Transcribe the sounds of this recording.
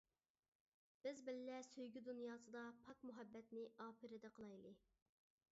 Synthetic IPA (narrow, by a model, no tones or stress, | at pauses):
b̥ɪzbɪlːɛsøjɡʲyd̪unjɑːsɨd̪ɑpʰɑkmuɦɛbːɛt̪nɪɑːpɨɾɪd̪ɛqʰəlˠɑjlˠɨ